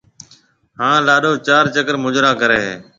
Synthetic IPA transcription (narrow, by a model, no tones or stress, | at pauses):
ɦãːlaːɗoːt͡ʃaːɾt͡ʃəkəɾmʊd͡ʒɾaːkəɾeːɦeː